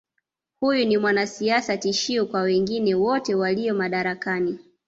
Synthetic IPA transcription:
hujunimwanasiasatiʃiɔkwawɛŋɡinɛwɔtɛwalijɔmaɗaɾakani

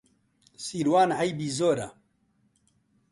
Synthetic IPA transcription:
siːɾwaːnhajbiːzoːɾa̰

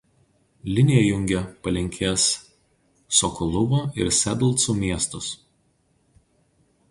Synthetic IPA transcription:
lʲɪnʲɪjɛjʊŋʲɡʲɛpɐlʲɪŋʲkʲʰeːsː | ɔkʊlˠʊʋoːɪ̰ɾsʲɛd̪lˠˑt̪suːmʲiɛst̪ʊs

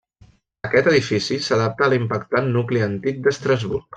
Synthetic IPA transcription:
əkɛt̪əðifisisəðap̚t̪əːlimpəkt̪anːukliənt̪ik̚d̪əst̪ɾəzβurk

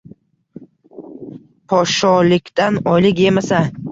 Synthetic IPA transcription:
pʰɒʃɒlɪkʲt̪anɒjlɪkʲje̞masa

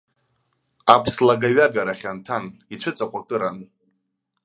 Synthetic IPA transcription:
apʰslaɡaɥaɡaɾaχʲantʰanit͡ɕʷʰɨt͡sʼaqʷʼakʼɨɾan

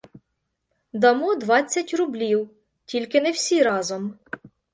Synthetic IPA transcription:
d̪ɐmud̪ʋɑt͡sʲːɐtʲrʊblʲiw | tʲilʲkɪnewsʲiɾɑzɔm

